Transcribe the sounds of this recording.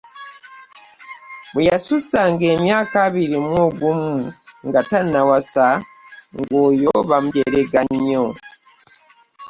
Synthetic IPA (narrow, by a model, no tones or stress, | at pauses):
βujasusaŋɡe̞ːmjaːkaβiɾimwoːɡumuŋɡatanawasaŋɡoːjo̞βamuɟeɾeɡaɲo